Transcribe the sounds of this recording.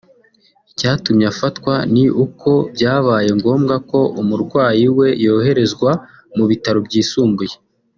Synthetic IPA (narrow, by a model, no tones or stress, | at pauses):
icaːtumɲafatkwaniʔukʰo̞bɟaːβaːje̞ŋɡo̞ːmɡako̞ʔumuɾɡwaːjiwe̞jo̞ːɦe̞ɾe̞zɡwa | muβitaɾobɟiːsuːmbuje